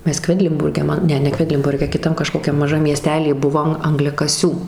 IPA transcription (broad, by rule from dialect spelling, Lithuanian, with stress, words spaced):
ˈmʲɛs ˈkʋʲæːdʲlʲɪnbʊrʲɡʲɛ ˈmɐn ˈnʲɛ nʲɛ ˈkʋʲæːdʲlʲɪnbʊrʲɡʲɛ kʲɪˈtɐm kɐˈʃkoːkʲɛm mɐˈʒɐm mʲiɛˈsʲtʲæːlʲiː ˈbʊʋoːm ɐŋɡlʲɛkɐˈsʲuː